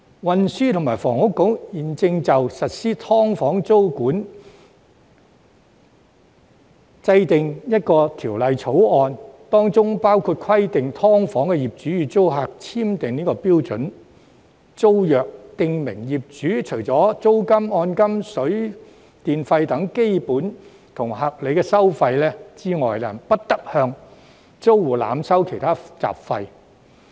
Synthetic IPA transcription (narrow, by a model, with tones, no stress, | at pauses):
wɐ˨nsyː˥t̪ʰʊ˨˩maː˨˩jfɔː˨˩ŋhʊ˥kːo˨˥wjiː˨nt͡sɪ˧ŋt͡sɐ˨wsɐ˨t̚siː˥t̪ʰɔː˥ŋfɔː˨˥ŋt͡so˥wkuː˨˥n | t͡sɐ˧jt̪ɪ˨ŋjɐ˥t̚kɔː˧t̪ʰiː˨˩wlɐ˨jt͡sʰo˨˥wɔː˧nt̪ɔː˥ŋt͡sʊ˥ŋpaː˥wkʰuː˧t̚kʰɐ˥jt̪ɪ˨ŋt̪ʰɔː˥ŋfɔː˨˥ŋkɛ˧jiː˨˩p̚t͡ʃyː˨˥jyː˨˩t͡so˥wɦaː˨˧k̚t͡sʰiː˥mt̪ɪ˨ŋniː˥kɔː˧piː˥wt͡sɵ̰˨˥n | t͡so˥wjœː˨k̚t̪ɪ˧ŋmɪ˨˩ŋjiː˨p̚t͡ʃyː˨˥t͡ʃʰɵ˨˩ɥt͡sɔː˨˥t͡so˥wkɐ˥mɔː˧nkɐ˥msɵ˨˥ɥ | t̪iː˨nfɐ˧jt̪ɐ˨˥ŋke˥jpuː˨˥n | t̪ʰʊ˨˩ŋhɐ˨k̚le˨˧jkɛː˧sɐ˥wfɐ˧jlɛː˥t͡siː˥ŋɔː˨jla̰ː˨˩npɐ˥t̚t̪ɐ˥k̚hœː˧ŋ | t͡so˥wwuː˨˩la̰ː˨˥msɐ˥wkʰe˨˩jt̪ʰaː˥t͡sa̰ː˨p̚fɐ˧j